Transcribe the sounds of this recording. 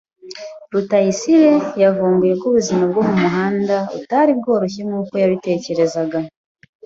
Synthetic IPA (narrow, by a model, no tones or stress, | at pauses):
ɾutajisiɾe̞javuːmbuje̞kuβuzimab̚ɡomumuɦaːndautaɾib̚ɡo̞ːɾoç̬emŋuːko̞jaβite̞ːce̞ɾe̞zaɡa